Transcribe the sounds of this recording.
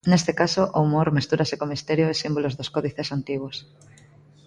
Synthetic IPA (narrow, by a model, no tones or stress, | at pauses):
nest̪ekasoʔoumoɾmist̪uɾasekomist̪eɾjoesimbolozðoskoðiθesant̪iɣwos